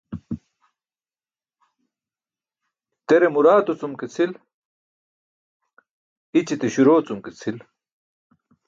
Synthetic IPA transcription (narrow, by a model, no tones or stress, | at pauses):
t̪eɾemuɾaːt̪ut͡sumket͡sʰil | it͡ɕit̪eɕuɾoːt͡sumket͡sʰil